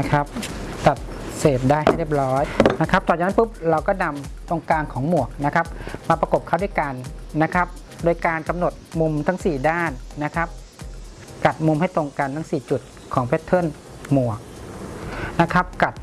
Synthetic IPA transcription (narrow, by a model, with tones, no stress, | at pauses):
a˦˥kʰa˦˥p̚t̪a˨˩t̪̚ | seː˨˩p̪̚daː˥˩jha˥˩jle˥˩p̚lɔː˦˥jna˦˥kʰa˦˥p̚t̪ɔː˨˩t͡ɕa˨˩na˥˨pɯ˦˥p̚ɾa˧wkɔː˥˩na˧mt̪o˧ŋkaː˧nkʰɔː˩˦ŋmu˨˩ək̚na˦˥kʰa˦˥p̚maː˧pɾa˧ko˨˩p̚kʰa˥˩duː˧˥˨jka˧nːa˦˥kʰa˦˥p̚ | doː˧jkaː˧nka˧mno˨˩t̪̚mu˧mt̪ʰa˦˥ŋsiː˨˩daː˥˩nːa˦˥kʰa˦˥p̚ | ka˨˩t̪̚mu˧mha˥˩jt̪o˧ŋka˧nt̪ʰa˦˥ŋsiː˨˩t͡ɕu˨˩t̪̚ | kʰɔː˩˦ŋpʰɛ˦˥t̪ʰːo˥˩˨n | mu˨˩ək̚ | na˦˥kʰa˦˥p̚ka˨˩t̪̚